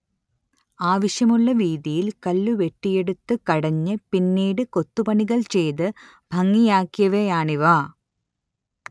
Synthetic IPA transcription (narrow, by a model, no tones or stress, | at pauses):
aːʋɐɕjɐmuɭːɐʋiːðijilkɐlːuʋe̞ʈːije̞ɽut̪ːɨkɐɽɐɲːɨpinːiːɽɨko̞t̪ːupɐɳiɣɐɭt͡ɕe̞jðɨ | bʱɐŋːijaːkːjɐʋejaːɳiʋa